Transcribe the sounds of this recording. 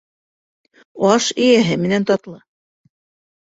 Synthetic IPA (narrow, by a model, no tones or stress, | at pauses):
ɑʃĭjæɦɘmɘ̆nænt̪ɑt̪lˠɤ